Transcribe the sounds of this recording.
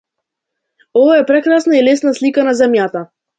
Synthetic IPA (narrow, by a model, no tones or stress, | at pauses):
ɔvaɛpɾɛkɾasnailɛsnaslikanazɛmjat̪a